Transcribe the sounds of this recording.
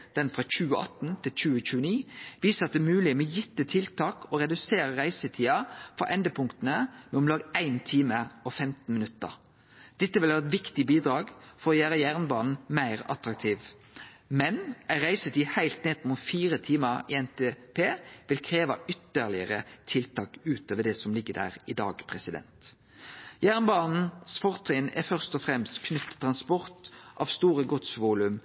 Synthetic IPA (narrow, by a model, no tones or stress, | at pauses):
d̪̥ɛnfʁɑc͡çʉːəɑ̰t̪n̩t̪ʰɪlc͡çʉːəc͡çʉːəniːʋiːsəɑt̪̚d̪ɛːmʉːlɪmɛjɪt̪ːət̪ʰɪlt̪ʰɑːkʰɔɾɛd̪ʉseːɾəʁæɪsət̪ʰiːɑfɾɑ̰ʔɛnd̪əpʰʊŋkt̪ənəmɛɔmlɑːɡæɪnt̪ʰiːməɔfɛmt̪n̩mɪnʉt̪ːə̰ʁ | d̪̥ɛt̪ːəʋɪlhɑːʁɛt̪ʋɪkt̪ɪbiːd̪ɾɑːɡfɔɾɔjæːɾəjæːʁnbɑːnn̩mæɪɾɑ̰t̪ɾɑk̚t̪ʰiːʋ | mɛnæɾæɪsət̪ɪhæɪlt̪neːd̪muːt̪fiːʁət̪ʰiːməʁḭɛnt̪epʰeːʋɪlkʰɾeːʋɑʏt̪ːəlɪəʁət̪ʰɪlt̪ʰɑːkʉːt̪ʰoːʋəd̪ɛsɔmlɪɡːəd̪æ̰ːʁɪd̪ɑ̰ːɡpʰʁɛsɪd̪ɛ̰nt̪ | jæːʁnbɑːnn̩sfɔʁt̪ʰʁɪnæ̰fœʁst̪ɔfʁɛmst̪kʰnʉft̪ʰːt̪ʁɑnspɔʁt̪ʔɑːʋst̪uːʁəɡɔt̪sʋuːlʉm